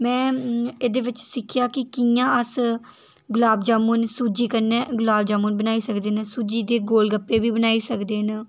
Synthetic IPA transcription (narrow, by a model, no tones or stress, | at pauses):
mɛ̃ːeːd̪eːʋɪt͡ʃsɪkʰːɪjaːkɪkijãːəs | ɡʊlaːbd͡ʒaːmunsuːd͡ʒiːkənːɛːɡʊlaːbd͡ʒaːmuːnbənaːiːsəkd̪eːnsuːd͡ʒiːd̪eːɡoːlɡəpːeːbiːbənaːiːsəkd̪eːn